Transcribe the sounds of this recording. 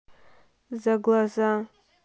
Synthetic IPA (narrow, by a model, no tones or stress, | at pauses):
zaɡlaza